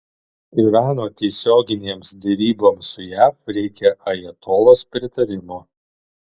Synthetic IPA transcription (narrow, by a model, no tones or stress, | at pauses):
iʋʲæːnoːt̪ʲɛɪsʲoːɡʲɪnʲeːmsd̪ʲɛɾʲiːboːmsʊjæːfɾʲɛɪkʲɛʔɐjiɛt̪oːloːspʲɾʲɪt̪ɐɾʲɪmʊ